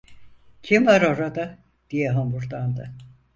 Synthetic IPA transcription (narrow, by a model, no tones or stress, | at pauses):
cʰimaɾoɾad̪a | d̪̥ijɛɦambuɾd̪and̪ɯ